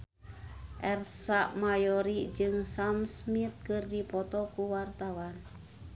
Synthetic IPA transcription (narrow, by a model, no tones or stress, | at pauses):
ʔɛrsaʔmajɔɾid͡ʒɨŋsamsmit̪̚kɨrdipɔt̪ɔkuwart̪awan